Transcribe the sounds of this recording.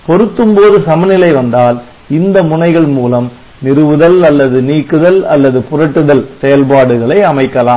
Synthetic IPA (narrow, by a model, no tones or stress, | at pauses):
pɔɾɯt̪ːɯmpoːðɯsɐmɐnɪlɐɪʋɐnd̪aːl | ɪnd̪ɐmʊɳɐɪɣɐɭmuːlɐm | nɪɾɯʋɯðɐlɐlːɐðɯniːkːɯðɐlɐlːɐðɯpʊrɐʈːɯðɐlsɛjɐlpaːɽɯɣɐɭɐɪɐmɐɪkːɐlaːm